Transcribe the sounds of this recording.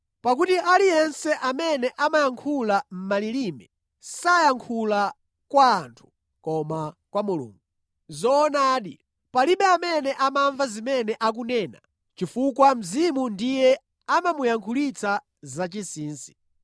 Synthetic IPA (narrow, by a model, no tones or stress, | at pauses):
pak̬utiʔalijɛnsɛʔamɛnɛʔamajaŋkʰulam̩malilimɛ | sajaŋkʰula | kwaːntʰu̥ | kɔmakwamulṵːŋɡu | zɔːnaːɗi | paliɓɛamɛnɛʔamaɱvazimɛnɛʔak̬unɛːna̰ | t͡ʃifuk̬wam̩zimundijɛ | amamujaŋkʰulit͡sʰa | zat͡ʃisiːnsi̥